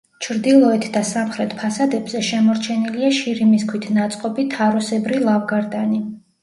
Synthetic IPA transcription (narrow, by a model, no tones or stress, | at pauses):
t͡ʃʰɾd̪ilˠɔɛt̪ʰd̪asamχɾɛt̪ʰpʰasad̪ɛbzɛʃɛmɔɾt͡ʃʰɛniliaʃiɾimiskʰwit̪ʰnat̪sʼqʼɔbit̪ʰaɾɔsɛbɾilˠavɡaɾd̪ani